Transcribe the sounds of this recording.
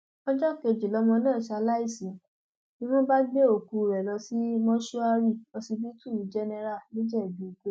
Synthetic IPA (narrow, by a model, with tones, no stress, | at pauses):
ɔ̃˦d͡ʒɔ˦˨ke˧d͡ʒi˨lɔ˨˦mɔ̃˧nãː˦˨sa˧˨la˦i˦˨sĩ˨ | mĩ˦w̃ɔ̃˦ba˦ɡ͡be˦o˦˨ku˨˧˨ɾɛ˨lɔ˧si˦mɔ̃˦ʃu˦a˧ɾi˦˨ɔ˧si˧bi˦tu˦˨d͡ʒɛ˦nɛ˧ɾa˦˨nĩ˦d͡ʒɛ˦˨bi˨˦i˨ke˨˦